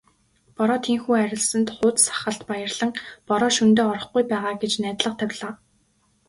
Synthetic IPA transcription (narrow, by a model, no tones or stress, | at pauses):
pɔɾɔːt̪ʰeŋxuːæɾʲɪ̆ɮsə̆nt̪χʊːt̪sḁχə̆ɬt̪pajə̆rɮ̥ə̆ŋpɔɾɔːʃunt̪eːɔɾɞ̆χɡujpæːʁaːɡet͡ɕnæːt̪ɮə̆q̚t̪ʰæwʲɮaː